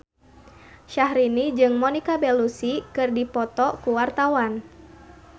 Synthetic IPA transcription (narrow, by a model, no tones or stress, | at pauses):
ʃaɦɾinid͡ʒɨŋmɔnikabɛlusikɨrdipɔt̪ɔkuwart̪awan